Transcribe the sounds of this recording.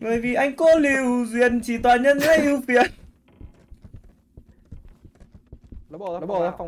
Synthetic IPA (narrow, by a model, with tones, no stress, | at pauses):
ɓəː˧˨jvi˨˩ʔa˧jŋ̟ko˧li˨˩əwzwi˧˨ənt͡ɕi˧˩t̪waː˨˩ɲə˧˥nha˧jʔi˧wfi˨˧˨ən˧